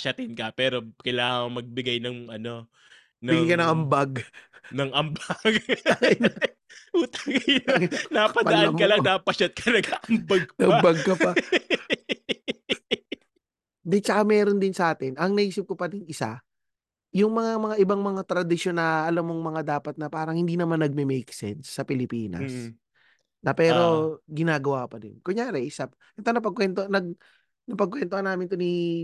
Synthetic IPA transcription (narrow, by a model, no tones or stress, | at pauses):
ʃɐt̪ɪnkɐpɛːɾo̞kɐjlaːŋɐŋmɐɡ̚bɪɡajnɐŋʔɐno̞ | nɐɪɡikɐnɐŋɐmbaɡnɐŋʔɐmbaɡjn | ʔuːt̪ɐŋjnnapɐpɐɐaɐmkɐlɐŋd̪apɐʃɐt̪̚kʰɐnɐɡaʔɐmbɐɡ̪̚ɐbɐɡ̚kɐpɐ | d̪ɛt͡ʃɐkamɛːɾo̞nd̪ɪnsɐʔaːt̪ɪnʔɐŋnɐʔiːsɪp̚kopɐd̪ɪŋɪsa̰ | jʊŋmɐŋamɐŋaʔɪbaŋmɐŋat̪ɾɐd̪ɪʃo̞nːɐʔɐlamːoŋmɐŋad̪aːpɐt̪̚nɐpaːɾɐŋhɪnd̪iːnɐmanːɐɡ̚mɛmɛjksɛ̰nsːɐpɪlɪpiːnɐ̰s | nɐpɛːɾo̞ɡɪnaːɡɐwakɐpɐd̪ɪ̰nkʊŋjaːɾɛʔsɐp | ʔɛt̪onɐp̬ɐɡkːwɛnt̪onɐɡ̚ | nɐpɐɡkːwɛnt̪ohɐnaːmɪnt̪oni